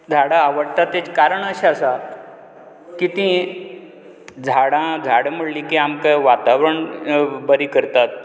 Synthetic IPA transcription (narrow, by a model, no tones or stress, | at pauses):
d͡zʱaɽãːʋəɽt̪at̪ːet͡skaɾəɳəɕaəsa | kit̪ĩ | d͡zʱaɽãd͡zʱaɽməɽlĩkiamkaʋat̪aʋɾəɳbəɾikəɾt̪at̪̚